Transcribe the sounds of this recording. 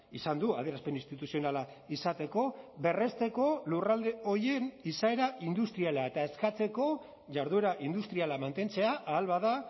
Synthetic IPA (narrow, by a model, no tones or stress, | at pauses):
isand̪ua̰ð̞eɾaspe̞ninst̪it̪usio̞nala | isat̪e̞ko̞βe̞re̞st̪e̞ko̞lurald̪e̞o̞je̞nisae̞ɾaʔind̪ust̪ɾialae̞t̪ae̞skat͡se̞ko̞ | ʝaɾðue̞ɾaʔind̪ust̪ɾialamant̪e̞nt͡se̞aʔaːlβaða